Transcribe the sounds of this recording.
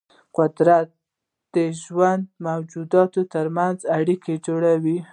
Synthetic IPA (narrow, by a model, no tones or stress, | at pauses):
qʊd̪ɾat̪̚ | d̪̥əʒwand̪mawd͡ʒud̪ɑt̪ot̪əɾmanzaɽiked͡ʒoɽawi